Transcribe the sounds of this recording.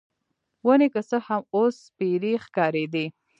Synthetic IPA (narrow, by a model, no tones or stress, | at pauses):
wənekəsəhamospeɾixkɑɾed̪i